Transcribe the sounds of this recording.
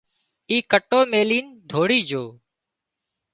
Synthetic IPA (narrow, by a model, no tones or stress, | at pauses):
iːkəʈːoːmeːliːnd̪ʱoːɽiːd͡ʒoː